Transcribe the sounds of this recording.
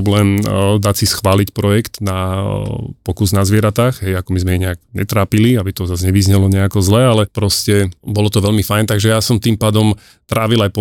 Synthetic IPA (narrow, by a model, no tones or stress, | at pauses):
blɛːmd̪acsisxʋaːlicpɾɔjɛkt̪na | pɔkuznazʋɪɛɾat̪aːɣɦɛjakɔmizmɛiɲɛaɡɲɛt̪ɾaːpiliabit̪ɔzazɲɛʋizɲɛlɔɲɛakɔzlɛalɛpɾɔscɛbɔlɔt̪ɔʋɛʎmifajnt̪aɡʒɛjasɔmt̪impaːd̪ɔm | t̪ɾʔaːʋilajpɔ